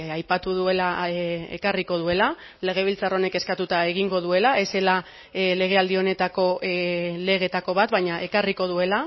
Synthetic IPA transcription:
ajpat̪uðue̞laḛkariko̞ð̞ue̞la | le̞ɣ̞e̞β̞ilt͡saro̞ne̞ke̞skat̪ut̪ae̞ɣiŋɡo̞ðue̞lae̞se̞la | le̞ɣ̞e̞ald̪io̞ne̞t̪ako̞le̞ɣ̞e̞t̪ako̞βat̪βajɲaʔe̞kariko̞ð̞ue̞la

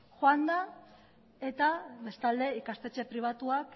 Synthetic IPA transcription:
xoand̪a | e̞t̪aβe̞st̪ald̪e̞ikast̪e̞t͡ʃe̞pɾiβ̞at̪uak

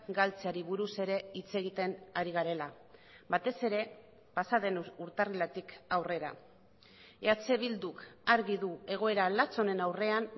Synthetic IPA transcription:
ɡalt͡seaɾiβuɾuse̞ɾe̞it͡se̞ɣ̞it̪e̞naɾiɣaɾe̞la | bat̪e̞se̞ɾe̞ | pasaðe̞nuɾt̪arilat̪ikawre̞ɾa | eat͡se̞βild̪ukaɾɣiðue̞ɣ̞o̞e̞ɾalat͡so̞ne̞nawre̞an

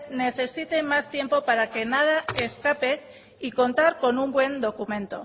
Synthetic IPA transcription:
ne̞θe̞sit̪e̞mast̪je̞mpo̞paɾake̞nað̞aeskape̞ | iko̞nt̪aɾko̞numbwe̞nd̪o̞kumẽ̞nt̪o̞̰

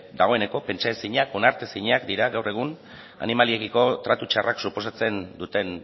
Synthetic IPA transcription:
d̪aɣ̞o̞e̞ne̞ko̞pe̞nt͡ʃaesiɲako̞naɾt̪esiɲakd̪iɾaɣawre̞ɣ̞un | a̰nimaliekiko̞t̪ɾat̪ut͡ʃaraksupo̞sat͡se̞nd̪ut̪e̞n

